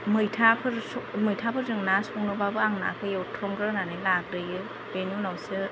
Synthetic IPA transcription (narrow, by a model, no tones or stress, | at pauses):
mɯjtʰapʰɯɾsmɯjtʰapʰɯɾzɯŋnasɔŋnɯbabɯaŋna̰kʰɯjewtʰɾɔŋɡɾɯnanɯlak̚ɾɯjɯ | benjunawsɯ